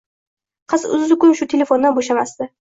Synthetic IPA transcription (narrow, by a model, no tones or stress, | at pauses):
qʰɨsʊ̰zːɪkʰʲʊnʃʊt̪ʰelʲe̞fo̞nd̪anboʃamasd̪ɪ